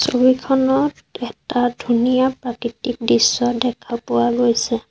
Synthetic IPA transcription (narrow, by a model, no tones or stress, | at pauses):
sobikʰɔnɔt | ɛtadʱunijapɹakitik̚disːɔdɛkʰapʊwaɡojsɛ